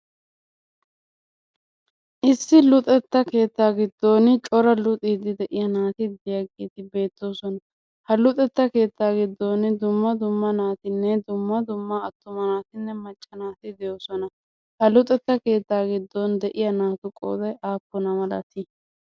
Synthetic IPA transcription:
ʔɪsːɪlʊt̪ʼɛt̪ːɐke̞ːt̪ːaːɡɪd̪ːo̞ːnt͡ʃʼɔɾɐlʊt̪ʼiːd̪ɪd̪ɛʔɪjɐnaːt̪ɪd̪ɛjɐɡḛːt̪ɪbe̞ːt̪ːo̞ːsɔnɐ | hɐlʊt̪ʼɛt̪ːɐke̞ːt̪ːaːɡɪd̪ːo̞ːnd̪ʊmːɐd̪ʊmːɐnaːt̪ɪnːɛd̪ʊmːɐd̪ʊmːaɐt̪ːʊmɐnaːt̪ɪnːɛmɐt͡ʃʼːɐnaːt̪ɪd̪ɛjoːsɔnɐ | hɐlʊt̪ʼɛt̪ːɐke̞ːt̪ːaːɡɪd̪ːɔnd̪ɛʔɪjɐnaːt̪ʊkʼo̰ːd̪ɐjʔaːpːɔnɐmɐlɐ̰t̪ɪ

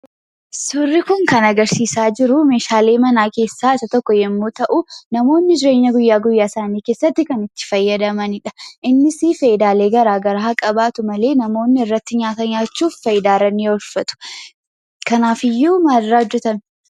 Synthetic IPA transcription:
sʊrːɪkʊŋkɐnɐɡɐɾsiːsaːd͡ʒɪɾʊme̞ːʃaːle̞ːmɐnaːke̞ːsːaːɪsɐt̪ɔkːɔjɛmːoːt̪ɐʔʊnɐmo̞ːnːɪd͡ʒɪɾeːɲːɐɡʊjːaːɡʊjːaːɪsaːniːke̞ːsːɐt̪ːɪkɐnɪt̪ːɪ̥fɐjːɐd̪ɐmɐnɪᶑɐ̥ʔɪnːɪsiːfɐjɪd̪aːle̞ːɡɐɾaːɡɐɾahɐkʼɐbaːt̪ʊmɐle̞ːnɐmo̞ːnːɪɪrːɐt̪ːɪɲaːt̪ɐɲaːt͡ʃːuːfːɐjɪd̪aːrɐnːiɔlfɐt̪ʊ̥ | kɐnaːfɪjːuːmaːɾːaːɔd͡ʒːɛt̪ɐm

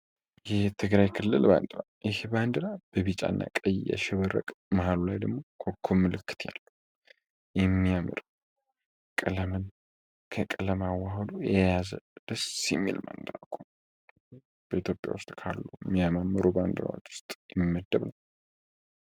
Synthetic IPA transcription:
jɛht̪ʰɨɡɾajkʰɨlːɨlba̰nd̪ʼɨɾajɪhband̪ɨɾab̥əβit͡ʃʼa̰nːa̰kʼəjjɛ̰ʃɪβəɾə̰kʼmaɦalulajd̪əɡmo̞kʰokʰːomːɨlɨkːɨ̥t̪ʰja̰lːu | jɛmːijamɨɾ | kʼɨləmɨn | kʰəkʼɨləmawahəlujɛjazə̰d̪̥əsimḛlma̰nd̪ɨnakʰːun | b̥əit̪ʰjo̞pʼja̰wʊst̪ʼkʰalːujmːijamamːɨɾuband̪ɨɾa̰wot͡ʃ̪ːwʊ̥st̪ʼjɛmimːəd̪ːəβnəw

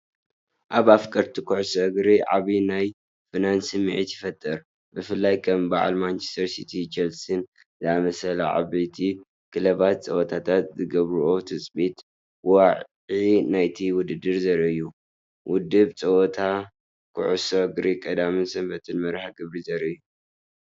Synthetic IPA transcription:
ʔaβafkʼɐɾt̪ʰikʰuʕʊsɐɡɾiʕa̰βinaj | fɨnansɨmɨʕit̪jɪfɐt̪ʼːɨɾ | bɨfɨlːajkʰɐmbaʕa̰lmant͡ʃe̥st̪ʰɐɾsit̪ʰit͡ʃʰɛlsɨn | zɨamɐsɐlɐʕa̰βit̪ʰi | kʰɨlɐβat̪̚t͡sʼɐwɔt̪ʰat̪ʰat̪zɨɡɐβɾʔo̞t̪ʰɨt͡sʼbit̪ | waʕʕinajt̪ʰiwʊd̪ɨd̪ːɨɾzɐɾɨjːu | wʔʊd̪ɨβt͡sʼɐwɔt̪ʰa | kʰʊ̰ʕusoɡɾikʼɐd̪amisɐmbɐt̪ʰɨnmɐɾħaɡɨβɾizɐɾɨjːu

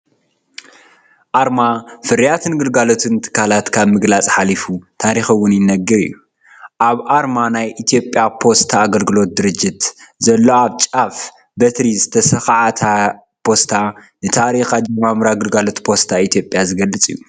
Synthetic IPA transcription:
ʔaɾmafɨɾijat̪ʰɨnɡɨlɡalo̞t̪ʰɨnt̪ʰɨ̥kʰːalat̪kʰaβmɨɡlat͡sʼħalifut̪ʰaɾixɐwʊnjɪnɐɡɨɾḭjːu | ʔaβʔaɾmanajʔit̪ʰijo̞pʼjapʰo̞st̪ʰaːɡɐlɡɨlo̞t̪̚d̪ɨɾɨd͡ʒːɪt̪zɐlːo̞aβt͡ʃʼaf | bɐt̪ɾizɨt̪ʰɐsɐxaʕat̪ʰa | pʰo̞st̪ʰanɨt̪ʰaɾixad͡ʒɐmamɾaɡɨlɡalo̞t̪pʰo̞st̪ʰait̪ʰijo̞pʼjazɨɡɐlːɨt͡sʼḭjːu

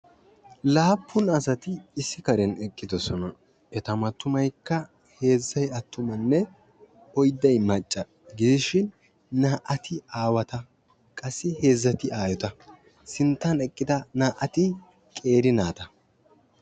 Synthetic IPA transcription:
laːpʰːʊnɐsɐt̪ɪːsːɪkɐɾɛnɛkʼːɪd̪ɔsɔnɐ | ɛt̪ɐmɐt̪ːʊmɐjkːɐ | he̞ːzːɐjɐt̪ːʊmɐnːɛ | ɔjd̪ːɐjmɐt͡ʃʼːɐ | ɡɪd̪ɪʃɪnː | aːʔɐt̪ʰɪaːwɐt̪ɐ | kʼɐsːɪhe̞ːzːɐt̪ɪaːjɔt̪ɐ | sɪnt̪ːɐnɛkʼːɪd̪ɐnaːʔɐt̪ɪ | kʼe̞ːɾɪnaːt̪ɐ

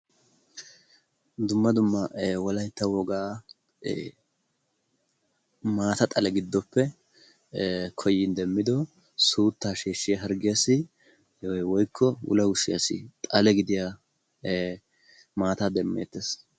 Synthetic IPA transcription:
d̪ʊmːɐd̪ʊmːɐwɔlɐjt̪ːɐwɔɡaː | maːt̪ɐt̪ʼɐlɛɡɪd̪ːɔpːɛ | kʰɔjːɪnd̪ɛmːɪd̪ɔ | suːt̪ːaːʃeːʃːɪjɐɦɐɾɡɪjɐsɪ | ɔjwɔjkʰːɔwʊ̰lɐʊʃɪjɐsɪ̰t̪ʼɐlɛɡɪd̪ɪja | maːt̪ad̪ɛmːeːt̪ːeːs

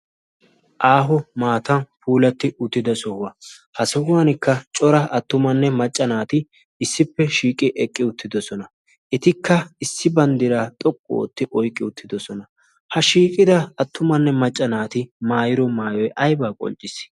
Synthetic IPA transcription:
ʔaːɦɔmaːt̪ɐnpuːlɐt̪ːɪʔʊt̪ːɪd̪ɐsɔhʊwɐhɐsɔhʊwanɪkːɐt͡ʃʼɔɾɐɐt̪ːʊmɐnːɛmɐt͡ʃʼːɐnaːt̪ɪ | ɪsːɪpːɛʃiːkʼɪʔɛkʼːɪʊt̪ːɪd̪ɔsɔnɐ | ʔɪt̪ɪkʰːɐɪsːɪbɐnd̪ɪɾaːt̪ʼɔkʼːɔo̰ːt̪ːɪʔɔjkʼːɪʊt̪ʰːɪd̪ɔsɔnɐ | hɐʃiːkʼɪd̪ɐːt̪ːʊmɐnːɛmɐt͡ʃʼːɐnaːt̪ɪmaːjɪɾɔmaːjɔjʔɐjbaːkʼɔ̰lt͡ʃʼːɪs

